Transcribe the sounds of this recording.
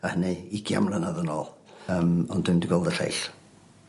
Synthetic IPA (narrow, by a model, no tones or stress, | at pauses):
ahəniɪɡʰja̰mlˠənaðənɔːlˠəmɔnd̥ɪndiɡɔlˠdəɬḛjɬ